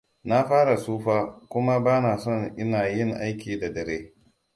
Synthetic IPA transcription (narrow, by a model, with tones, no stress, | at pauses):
na˦ɸaː˦ɽa˨suː˦ɸaː˦kʷʊ˦ma˦baː˦naː˨sɔ˦˨ŋʔɪ˦naː˨jɪ˦˨ŋʔa˦jkʲiː˨da˨dɐ˨ɾeː˦